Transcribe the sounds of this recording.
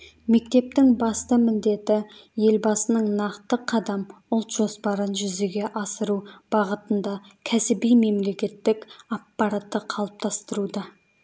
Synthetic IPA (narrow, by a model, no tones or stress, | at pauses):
me̞k̚t̪e̞p̚t̪ɪŋbɑst̪əmɪnd̪e̞t̪ɪje̞lbɑsənəɴnɑqt̪əqʰɑd̪ɑmʊlˠt̪ʒ̥o̞spɑɾənʒʏzeɡʲe̞ʔɑsəɾub̥ɑʁət̪ənd̪ɑkʲʰæsɪbijme̞mle̞kʲe̞t̪ːɪkʲɑpːɑɾat̪ːəqʰɑlˠəp̚t̪ʰɑst̪əɾud̪ɑ